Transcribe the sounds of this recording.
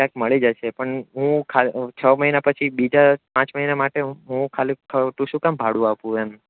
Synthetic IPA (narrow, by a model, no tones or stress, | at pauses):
kjãkməɭid͡ʒaʃepəɳɦũkʰat͡ʃʰəməɦinapət͡ʃʰibid͡ʒapãt͡ʃməɦinamaʈeɦũkʰalikʰət̪ũʃũkambʱaɽũapũen